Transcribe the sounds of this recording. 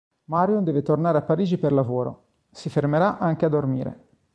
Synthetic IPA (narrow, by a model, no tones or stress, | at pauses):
maɾjund̪ɛːvet̪ornaːɾeapːaɾiːd͡ʒiperlavoːɾo̰ | sifermeɾaʔaŋk̟ead̪ːormiːɾḛ